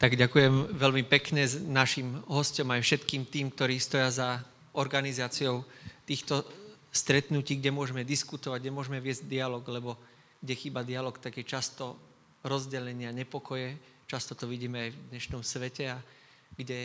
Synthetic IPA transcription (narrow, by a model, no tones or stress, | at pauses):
t̪aɡɟakujɛmʋɛlmipɛkɲɛnaʃimɦɔscɔmajfʃɛt̪kiːmt̪iːmk̚t̪ɔɾiːst̪ɔjaza | ɔɾɡanizaːt͡siɔʊt̪iːxt̪ɔst̪ɾɛt̪nuciːɡɟɛmʊɔʒɛmɛd̪iskut̪ɔʋaɟɲɛmʊɔʒɛmɛʋɪɛzɟd̪ialɔːɡlɛbɔ | ɡ̥ɟɛxiːbad̪ialɔkt̪aɡjɛt͡ʃast̪ɔ | ɾɔzɟɛʎɛɲɪaɲɛpɔkɔjɛ | t͡ʃast̪ɔt̪ɔʋiɟiːmɛajvd̪ɲɛʃnɔmsʋɛcɛa | ɡɟɛ